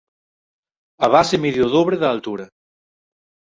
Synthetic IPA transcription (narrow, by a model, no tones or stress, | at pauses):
aβasemiðjoðoβɾeðaːlt̪uɾɐ